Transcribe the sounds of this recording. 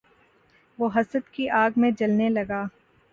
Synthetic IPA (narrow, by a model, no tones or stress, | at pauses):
ʋoːɦɐsəd̪kiʔaːɡmẽd͡ʒɐlnelɐɡaː